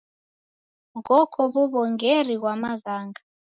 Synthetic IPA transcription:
ŋɡɔkʰɔβuβɔŋɡeriɣwamaɣaːŋɡʱa

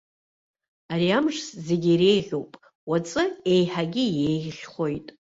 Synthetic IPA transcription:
aɾiamʂsze̞ɡʲire̞jʁʲowpʼ | wat͡sʼɨe̞jħaɡʲɪjejχʲχo̞jtʼ

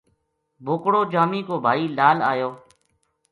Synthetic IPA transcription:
bʱʊːkɽoːd͡ʒaːmiːkoːbʱaːiːlaːla̰ːjoː

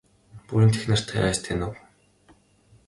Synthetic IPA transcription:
pujĭnt̪ʰexnɘ̆r̥t̪ʰḛæːst̪ʰenʊw

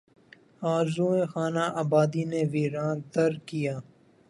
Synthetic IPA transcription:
aːɾzuːẽxaːnaʔaːbaːd̪ineʋiːɾaːnt̪ɐɾkijaː

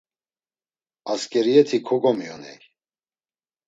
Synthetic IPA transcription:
askʼɛɾiɛt̪ʰikʰɔɡɔmijɔnɛ̰j

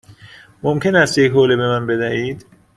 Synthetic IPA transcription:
momcʰe̞næst̪jechoːlebe̞mænbe̞d̪æhiːd̪̥

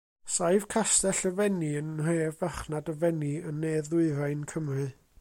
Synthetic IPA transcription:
saɨv̥kʰastɛɬəvɛniənreːvaχnadəvɛniənːeːðʊɨɾajnkʰəmrɨ

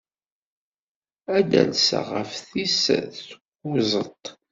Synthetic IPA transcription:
æd̪æ̰nsa̰ʁəfθisθə̥ɡʊzˤət̪ˤ

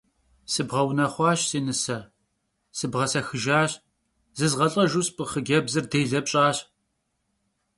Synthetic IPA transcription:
sɨbʁɐwnɐχʷɑːɕsiːnɨsɐ | sɨbʁɐsɐxɨʒaːɕ | zɨzʁɐɬʼɐʒuspʼɨχəɡʲɐbzɨrdeːɮɐpɕʼaːɕ

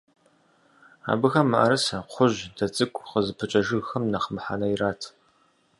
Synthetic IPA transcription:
a̰ːbɨxɐmːɐʔɐ̰ɾɐsɐqʷʰʊʑdɐt͡sʼɨkʷʼqəzɨpʰɨt͡ʃʼɐʒɨɣxɐmnɐχəmħa̰ːnɐjiraːtʰ

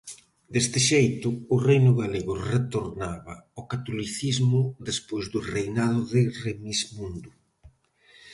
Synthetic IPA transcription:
d̪est̪ɪʃejt̪ʊːrejnʊɣaleɣʊret̪oɾnaβɐokat̪oliθizmʊðespojzðʊrejnað̞ʊðɪremizmũnd̪ʊ

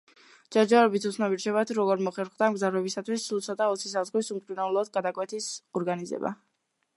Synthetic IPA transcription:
d͡ʒaɾd͡ʒaɾɛbit̪ʰut̪sʰnabiɾt͡ʃʰɛbat̪ʰuɾɔɡɔɾmɔχɛɾχd̪amɡzavɾɛbisat̪ʰwisːulˠt̪sʰɔt̪ʼaɔt̪sʰis̬azɡwisumt̪ʼinɛlˠɔd̪̚ɡad̪akʼwɛt̪ʰisɔɾɡanizɛ̰ba̰

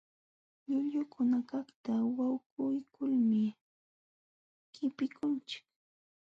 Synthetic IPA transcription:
ʎʊʎʊkʰʊnakaχt̪awawkʊjkʰʊlmɪ | kɪpɪkʊnt͡ʃɪ̥k̚

